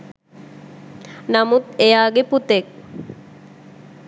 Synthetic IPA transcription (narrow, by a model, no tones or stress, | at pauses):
namut̪ejaːɡeput̪ek̚